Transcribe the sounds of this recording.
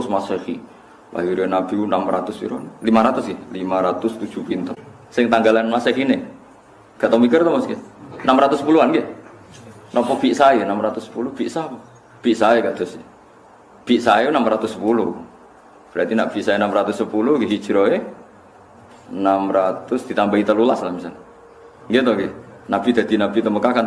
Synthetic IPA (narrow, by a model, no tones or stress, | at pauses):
smasehi | la̰ɦiɾɔnab̥inamrat̪ʊspḭɾɔnelimaɾat̪ʊsɡɛlimaɾat̪ʊst̪u̥d͡ʒ̥upint̪ɔn | sɪŋt̪aŋɡalanmaseɦine | ɡ̥a̤ʔ̪ɔmik̬ərt̪ɔmasɡenamɾat̪ʊsəpuluanɡɛ | nɔmpɔb̥iʔsaenamɾat̪ʊsːə̥pulʊb̥iʔsapu | b̥iʔsaeɡaʔd̪̥ʊs | b̥iʔsaenamrat̪ʊsəpulʊ | b̥əɾat̪ina̰ʔb̥iʔsainamrat̪ʊsəpulʊhɡiɦi̥d͡ʒ̥ɾɔe | namɾat̪ʊsd̪̥it̪ambait̪əlulaslahmisal | ŋɡit̪ɔɡinab̥id̪̥a̤d̪̥inab̥it̪əməkakan